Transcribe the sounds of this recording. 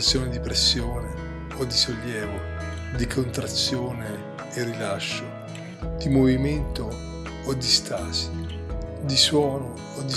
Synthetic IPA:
t̪sːjoːnɪd̪ipɾesːjoːne | od̪ːisolːjɛːvo | d̪ikʰont̪ɾat̪sːjoːneː | rːilaʃːo | d̪̥imoviment̪oː | d̪ist̪as | d̪iswɔːnoːd̪ːi

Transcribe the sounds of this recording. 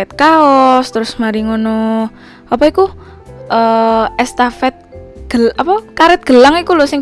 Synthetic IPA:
ɛt̪̚kaɔst̪əɾʊsmaɾiŋono | apɔiku | ʔəɛst̪afɛt̪̚ɡ̥əlapɔkaɾɛt̪̚ɡ̥əlaŋikulɔsɪŋ

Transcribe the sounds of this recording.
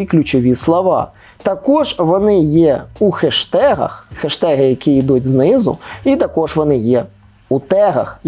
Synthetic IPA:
klʲʊt͡ʃɔʋʲislˠɔʋɑ̰ | t̪ɐkɔʒʋɔnɪjɛuxeʃt̪ɛɦɐ̰xxeʃt̪ɛɣɪjɐkʲiid̪utʲznɪzʊ̰it̪ɐkɔʒʋɔnɪjɛ | ut̪ɛɦɐ̰x

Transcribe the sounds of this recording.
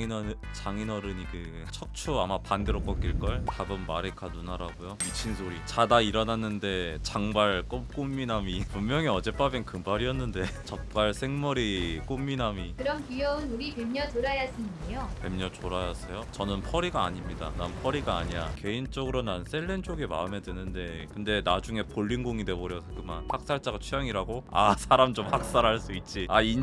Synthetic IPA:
t͡ɕaŋinʌɾɯnikɯ | t͡ɕʰʌk̚t͡ɕʰuamapandeɾok͈ʌk͈iɭk͈ʌɭkabɯmmaɾekʰanunaɾaɡujomit͡ɕʰinsʰoɾit͡ɕadaiɾʌnanːɯnde̞t͡ɕaŋbaɭk͈omk͈omːinamipumːjʌŋiʌd͡ʑe̞p͈abenkɯmbaɾiʌnːɯnde̞t͡ɕʌk̚p͈aɭsʰe̞ŋmʌɾik͈omːinamikɯɾʌnkijʌɯnuɾipemɲʌt͡ɕoɾajasʰinejope̞mɲʌt͡ɕoɾajasʰejot͡ɕʌnɯnpʰʌɾiɡa̰ːɲimɲida̰nanpʰʌɾiɡaːɲiake̞int͡ɕ͈ʌɡɯɾonans͈ʰe̞ɭːe̞nt͡ɕ͈oɡema̰ɯme̞dwenːɯnde̞kɯnde̞nad͡ʑuŋe̞poʎːinɡoŋide̞boɾjʌsʰkɯma̰nhak̚s͈aɭt͡ɕ͈aɡat͡ɕʰujaŋiɾaɡoa̰sʰaɾamt͡ɕomhak̚s͈aɾɦaɭs͈uit̚t͡ɕ͈iain

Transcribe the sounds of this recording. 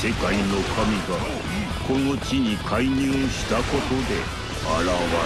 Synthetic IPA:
se̞kaino̞kʰamʲiɡa | ko̞no̞t͡ɕiɲ̟ikʰaiɲɨːɕi̥t̪ako̞t̪o̞d̪e̞ | aɾaβa

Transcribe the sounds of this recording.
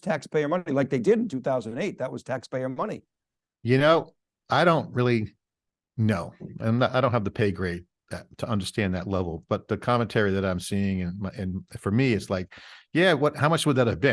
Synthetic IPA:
tʰækspʰeɪə˞mʌnilaɪk̚ðeɪdɪɾn̩tʰʉθaʊz̃nɨ̃neɪt̪̚ðət̚wʌz̥tʰækspeɪə˞mʌnḭ | jɨnoʊ | ʔaɪɾõʊ̃nt̚ɹɪlˠi | noʊɨ̃nəaɪɾõʊ̃nthævtɨpʰeɪɡɹeɪt̚ | ðɨtʰəʌ̃ndə˞stæ̃nðɨtˡlɛvl̩ˠb̥ʌt̪̚ðɨkʰɑmɨ̃ntʰɛɹiðɨɾãɪ̃msiɪ̃ŋɨ̃nmɨ̃nfə˞miɨtslaɪk̚jæwʌt̚haʊmʌt͡ʃwəd̪̚ðɨt̚hɨvbɨ̃

